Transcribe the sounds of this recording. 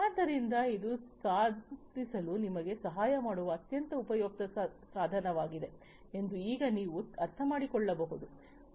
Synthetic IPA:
aːnd̪ɐɾind̪ɐid̪usaːd̪ʱisɐlunimɐɡe̞sɐɦaːjɐmaːɽuʋɐːt̪jɐnt̪ɐupɐjoːk̚t̪ɐsaːd̪ʱɐnɐʋaːɡid̪e̞ | e̞nd̪uiːɡɐniːʋuɐɾt̪ʰɐmaːɽikɔɭːɐbɐɦud̪u

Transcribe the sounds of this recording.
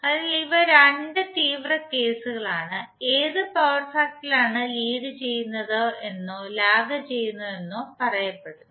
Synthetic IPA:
ɐðɐliʋɐɾeɳɖɨt̪iːʋrɐke̞ːsuɣɐɭaːɳɨ | e̞ːðɨpɐʋrfɐk̚ʈːilaːɳɨliːɽɨt͡ɕe̞jːunːɐðoe̞nːolaːɡɐt͡ɕe̞jːunːɐðenːupɐrɐjɐpːeɽu

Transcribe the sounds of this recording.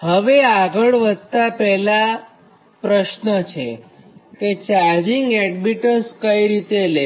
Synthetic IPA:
həʋeaɡəɭʋəd̪̚ʱt̪apɛɦla | pɾəʃnət͡ʃʰe | ket͡ʃaɾd͡ʒiŋɡɛɖbiʈəskəiɾit̪ele

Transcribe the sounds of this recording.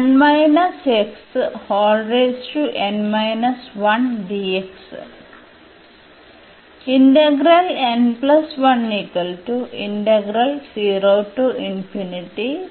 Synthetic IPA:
nmaɪnɐsekshɔːlɖɾesʈuʔẽnmaɪnɐsʋɐ̃nɖieks | ĩɳʈeɡɾɐlẽnplɐsʋɐ̃nːikɐlʈuʔḭ̃ɳʈeɡɾɐlsiːɾoːʈuĩmpʰjuniʈi

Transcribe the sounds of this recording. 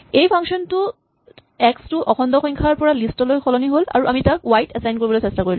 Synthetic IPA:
ejpʰaŋsɔntʊ | ɛkstuʔɔkʰɔndɔxɔjŋkʰaɹpɔɹalistɔlojxʰɔlɔniɦola̰ɹuʔamitak̚wajtɛsajnkoɹibɔlojsɛstakoɹil

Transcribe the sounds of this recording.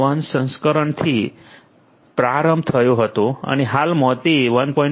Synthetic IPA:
ənsə̃nskəɾəɳt̪ʰi | pɾaɾəmb̚t̪ʰəjoɦət̪oə̰neɦalmɔt̪iʋənpɔ̃ĩ

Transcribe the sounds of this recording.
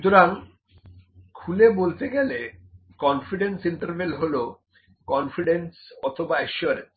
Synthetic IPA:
ut̪oɾaŋ | kʰulebolt̪eɡelekɔnfiɖensiɳʈəɾbelɦolo | kɔnfiɖensɔt̪ʰobaeʃuaɾens

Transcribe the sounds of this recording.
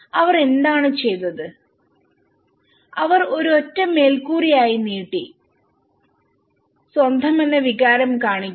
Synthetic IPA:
ɐʋɐre̞nd̪aːɳɨt͡ɕe̞jt̪ːɐðɨ | ɐʋɐro̞ɾuotːɐmːe̞ːlkuːrijaːjiniːʈːi | swɐnd̪ʱɐme̞nːeʋiɣaːɾɐmkaːɳikʲː

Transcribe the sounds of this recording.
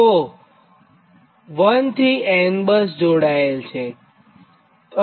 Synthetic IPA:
o | ʋənt̪ʰiɛnbəs̬d͡ʒoɽaelt͡ʃʰe | ə

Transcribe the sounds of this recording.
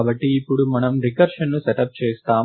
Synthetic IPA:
bɐʈːiːpːuɽumɐnɐmɾikɐɾʂɐnnusɛʈɐp̚t͡ʃeːst̪aː

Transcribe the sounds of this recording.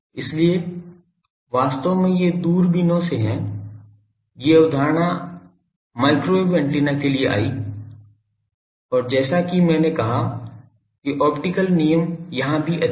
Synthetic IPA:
ɪslie | ʋaːst̪əʋmẽjed̪uːɾbɪnõseɦɛ̃ | jeʊd̪ʱaːɾɳ̃a | maːɪkɾoebɛ̃ɳʈliːnakelieʔa̰ːi | ɔːɾd͡ʒɛːsakimɛ̃ːnekɐɦa | kiʔɔːpʈɪkəlnijəmjɐɦãbʱiʔɐ

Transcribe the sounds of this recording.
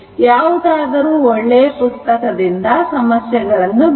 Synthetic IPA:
jaːʋud̪aːd̪ɐɾuːoɭːepust̪ɐkɐd̪ind̪ɐsɐmɐsjɐɡɐɭɐnːu

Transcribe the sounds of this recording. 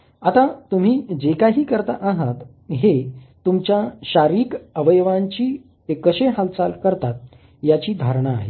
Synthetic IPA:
at̪at̪um̤iːd͡ʑekaɦiːkəɾt̪aʔaɦat̪ | ɦet̪umt͡ɕjaɕaɾiːkəʋəjʋaɲt͡ɕiː | ekəɕeɦalt͡salkəɾt̪at̪̚ | jat͡ɕiːd̪ʱaɾɳ̃aːɦḛ

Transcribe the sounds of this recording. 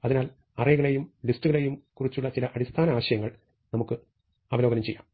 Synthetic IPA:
ɐðinaːl | ɐrɐjɐɣɐɭe̞jumlistːuɣɐɭejumkurit͡ɕːuɭːɐt͡ɕilɐʔɐɽist̪ʰaːnɐaːɕɐjɐŋːɐɭ | nɐmukːɨ | ɐʋɐlo̞ːɡɐnɐmt͡ɕejːaːm

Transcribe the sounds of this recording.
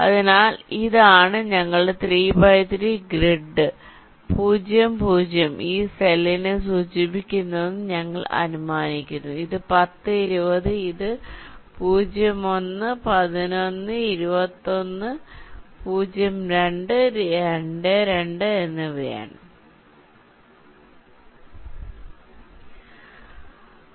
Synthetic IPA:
ɐ̰ðinaːliðaːɳɨɲɐŋːɐɭɨɖet̪riːbɐjt̪ɾiɡriɖːɨ | puːd͡ʑjɐmpuːd͡ʑjɐmʔiːselinɨs̬uːt͡ɕibikʲːunːɐðenːɨɲɐŋːɐɭɐ̰numaːnikʲːunːuiðɨpɐt̪ːɨiɾubɐðɨiðɨpuːd͡ʑjɐmo̞nːɨpɐðino̞nːɨiɾubɐt̪ːo̞nːɨpuːd͡ʑjɐmɾe̞ɳɖɨeɳɖɨɾe̞ɳɖɨe̞nːɨʋḛːɳɐ

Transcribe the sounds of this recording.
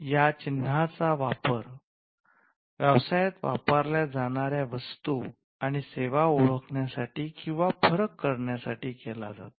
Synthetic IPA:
jat͡ɕin̤ːat͡saʋapəɾ | ʋjəʋsajət̪ʋa̰pəɾljad͡zaɽ̃aɾjaʋəst̪u | aɽ̃iseʋauɭəkʰɳjasaʈiːkĩw̃ʋafəɾəkːəɾɳjasaʈiːkɛla̰d͡za̰t̪

